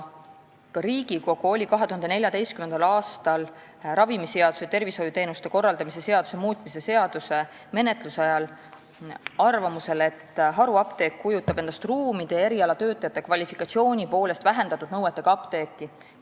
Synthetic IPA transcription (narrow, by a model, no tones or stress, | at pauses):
kɑɾiːɡiko̞ɡ̥uo̞lʲikɑɦet̪uhɑnd̪enelʲjɑd̪e̞jst̪kymend̪ɑlɑːst̪ɑl | ɾɑvimiseɑd̪u̥set̪e̞rviso̞jut̪e̞ːnust̪e̞ko̞rːɑld̪ɑmise̞se̞ɑd̪̥u̥se̞muːt̪ːˑmise̞se̞ɑd̪̥use̞ | me̞ne̞t̪ˑlusɑjɑl | ɑrvɑmuse̞le̞t̪ːɦɑɾuɑpt̪e̞ːk̪̚kujut̪ːˑɑb̥e̞nd̪̥ɑst̪ruːmid̪̥ee̞ɾiɑlɑt̪ø̞ːt̪ːˑɑjɑt̪ːˑe̞kvɑlʲifikɑt̪sio̞ːnʲipo̞ːle̞st̪væɦe̞nd̪ɑt̪ːˑud̪nɤwet̪ːˑe̞ɡ̥ɑɑpt̪e̞ːt̪ːˑi